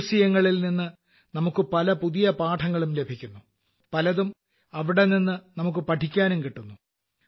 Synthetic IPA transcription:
sijɐŋːɐɭilninːɨ | nɐmukːɨpɐlɐpuðijɐpaːʈʰɐŋːɐɭumle̞bʱikʲːunːu | pɐlɐðum | ɐʋiɽe̞ninːɨnɐmuk̬ːɨpɐʈʰikʲːaːnumkiʈːunːu

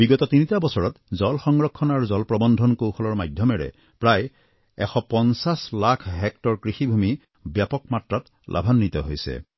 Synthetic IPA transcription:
biɡɔtɔtinitabɔsɔɹɔtzɔlxɔŋɹɔkʰːɔnaɹuzɔlpɹɔbɔndʱɔnkowxʰɔlɔɹmajdʱjɔmɛɹɛ̰ | pɹaj | ɛ̰xɔpɔnsaslakʰɦɛk̚tɔɹkɹixibʱumi | bjapɔkmatɹat | lʔa̰bʱanːit̪ɔɦojsɛ̰

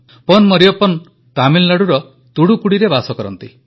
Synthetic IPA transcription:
pɔnmɔɾijɔpɔn | t̪amillaɽuɾɔ | t̪uɽukuɽiɾebasɔkɔɾɔ̰nt̪i

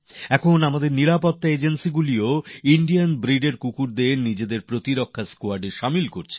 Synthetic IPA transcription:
ɛkʰonamad̪eɾniɾapot̪ːaed͡ʑensiɡulioiɳɖijanbɾiɖeɾkukuɾd̪enid͡ʑed̪eɾpɾot̪iɾokʰːaskoaɾɖeʃamilkoɾt͡ɕʰe̥

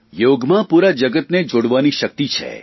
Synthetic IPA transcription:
joɡmãpuɾad͡ʒəɡət̪ned͡ʒoɽʋaniʃək̚t̪it͡ʃʰḛ

